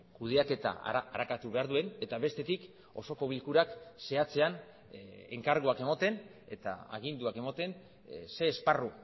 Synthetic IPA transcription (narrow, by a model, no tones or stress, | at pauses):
kuðe̞ake̞t̪a̰aɾakat̪uβe̞aɾðue̞ne̞t̪aβe̞st̪e̞t̪ik | o̞so̞ko̞β̞ilkuɾakse̞at͡se̞an | ḛŋkaɾɣoake̞mot̪e̞ne̞̰t̪a̰a̰ɣind̪uake̞mot̪e̞n | se̞ːsparu